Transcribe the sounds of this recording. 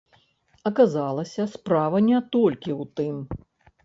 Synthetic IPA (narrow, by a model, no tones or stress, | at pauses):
ɐkazalˠɐsʲɐspɾavɐnʲɛt̪ɔlʲkʲiwt̪ɨm